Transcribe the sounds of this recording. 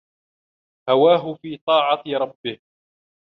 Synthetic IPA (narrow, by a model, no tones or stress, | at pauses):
hawaːɦʊfiːt̪ˤɑːʕɑɾˤɑbːɪh